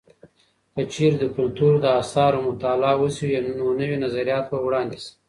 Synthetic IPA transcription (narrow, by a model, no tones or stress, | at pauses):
kət͡ʃeɾd̪əkʊlt̪uɾd̪əasɑɾomʊt̪alɑwəsijennonəwinazaɾijɑt̪bəwɽɑnd̪is